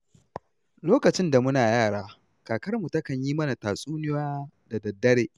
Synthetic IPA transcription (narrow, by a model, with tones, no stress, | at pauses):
loː˦kɐ˨t͡ʃɪ˦nda˨mʊ˦naː˨jaː˦˨ɽaː˦ | kaː˨kɐ˦rmu˨tɐ˦kɐ˨ɲjiː˦mɐ˦na˨taː˨sʼuː˦nɪ˦waː˦ | da˨dɐ˨dːɐ˦ɽeː˨ʔ